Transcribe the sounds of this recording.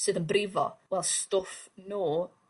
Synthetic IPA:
sɨːðənbrɪvɔ̰wɛlˠstʊfnuː

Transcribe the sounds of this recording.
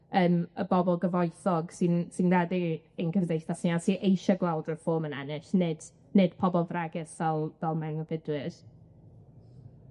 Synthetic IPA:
əːməbɔbɔlˠɡəvɔjθɔɡ̥sinsinɛdiənɡʰəvdejθdasnɪasiʔejʃɔɡlawdəfoːmənɛ̰nɪʃnɨd̥ | nɨd̥pʰɔbɔlˠvraɡɛsvɛlˠvɛlˠmanəvɪdwɪɾ

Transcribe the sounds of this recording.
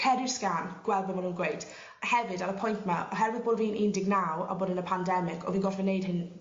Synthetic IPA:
kʰɛdɪskanɡ̥wɛlˠd̚bəmanuːnɡwejtʰ | hɛvɨdaləpʰɔjntmaʔɔɦɛɾwɪðboːdviːnʔiːndɪɡnawɔ̰boːdənəpʰandɛmɪkʰɔ̰viːnɡɔtvɪnejd̥hɪn

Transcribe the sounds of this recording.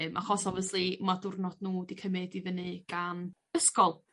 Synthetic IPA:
mʔa̰χɔsɔvəslˠimadʊrnɔd̥nuːdikʰəmɛdivənɨɡ̥an | əskɔlˠ

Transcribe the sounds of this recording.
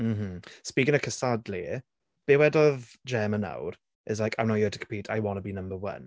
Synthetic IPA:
m̩m̥m̩spiːkɪ̃ŋəkʰəsadli | b̥ewɛdɔðd͡ʒɛːmə̃na̰wɾ | ʔɪzlajkãɪ̃mnajətʰə̥kʰə̥mpiːtʰajwɔnəbinə̃mbəwə̰n

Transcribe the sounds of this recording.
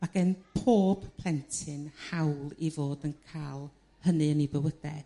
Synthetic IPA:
maɡɛnpʰoːb̥pʰl̥ˠɛntʰɨnhawlˠivoːdənkʰaːlˠ | hənɨənibəwəd̥ɛ̰

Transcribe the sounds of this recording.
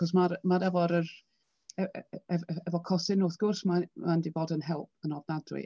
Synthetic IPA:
χɔs̬maɾmaɾɛvɔɾər | ɛɛɛvɔkʰɔsɪnʊːθɡ̥ʊrsmamandivoːdənɦɛlˠp̚ʰənɔvnadrɪ̰

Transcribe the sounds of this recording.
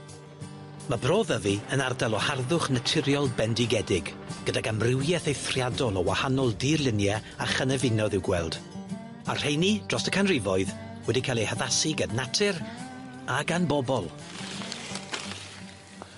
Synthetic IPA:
mabroːðəviənardalˠɔharðʊχnətʰɪɾjɔlˠbɛndɪɡɛdɪɡ | ɡ̥ədaɡamrɪwjɛθejθrjadɔlˠɔwahanɔlˠdirlˠɪnjɛ | aχənɛvɪnɔðɪwɡwɛlˠd̥ | ar̥ejnid̥rɔsəkʰanrɪvɔɨð | wɛdikʰalˠehəðasɪɡannːatʰɪr | aɡanbɔbɔlˠ

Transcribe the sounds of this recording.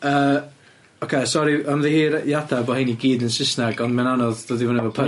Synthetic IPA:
əː | ɔkʰesɔɾiɔnðihiːɾjadabɔhiniɡiːdənsɪsnaɡɔndmɛnanɔðð̥oːðivʊnavɔpʰə

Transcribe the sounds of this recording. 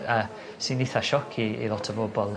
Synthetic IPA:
ə | sinɪθaʃɔkʰiḭlˠɔtʰəvoːbɔlˠ

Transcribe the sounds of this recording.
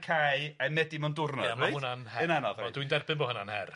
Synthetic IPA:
kʰajamɛdimɔndʊrnɔjunanhɛɨnanɔðɔɔdwindɛrbɪnboːhənanhɛr

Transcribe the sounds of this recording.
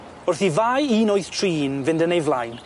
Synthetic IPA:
ʊrθivaːjiːnojθtʰriːnvɪndənejvlˠajn

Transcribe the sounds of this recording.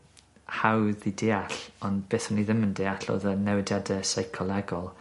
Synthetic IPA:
hawðideːaɬɔnb̥eːθʊnːiðɪməndɪaɬo̰ːðənɛwdjadəsajkʰɔlˠɛɡɔlˠ

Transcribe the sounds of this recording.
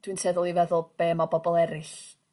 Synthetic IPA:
d̥wɨnsʰɛðʊlˠivɛðʊlˠb̥eːmɔbɔbɔlˠɛɾɪɬ

